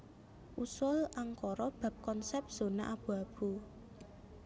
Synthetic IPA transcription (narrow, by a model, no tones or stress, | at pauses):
ʔusʊlʔaŋkɔɾɔb̥a̤p̚kɔnsɛp̚z̥o̤na̰ʔab̥ṳab̥ṳ